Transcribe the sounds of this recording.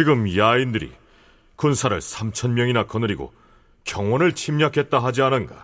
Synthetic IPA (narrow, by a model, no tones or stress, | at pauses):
t͡ɕiɡɯmjaindɯɾḭ | kunsʰaɾɯ̰ɭsʰamt͡ɕʰʌnmjʌŋinakʌnɯɾiɡo̰ | kjʌŋwʌnɯɭt͡ɕʰimɲakʰe̞t̚t͈aɦad͡ʑianɯnɡa